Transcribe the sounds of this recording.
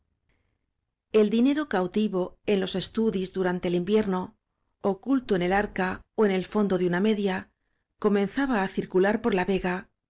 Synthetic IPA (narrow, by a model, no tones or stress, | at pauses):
e̞ld̪ine̞ɾo̞kawt̪iβo̞e̞nlo̞se̞st̪uðizðuɾant̪e̞limbje̞ɾno̞ | okult̪o̞ene̞laɾkaoe̞ne̞lfo̞nd̪o̞ðeuname̞ðja | ko̞mẽ̞nθaβaːθiɾkulaɾpo̞ɾlaβe̞ɣa